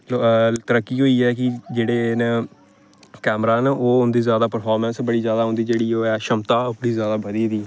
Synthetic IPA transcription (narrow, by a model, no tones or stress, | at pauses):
t̪əɾəkːiːɦoːiːɛːkɪd͡ʒeːɽeːn | kɛːmɾaːnːʔoːʊnd̪iːzjaːd̪aːpəɾpʰaːɾmənsbəɽiːzjaːd̪aːɦõːnd̪iːd͡ʒeːɽiːoːɛːʃəmt̪aːpɽiːzjaːd̪aːbəd̪iːd̪iː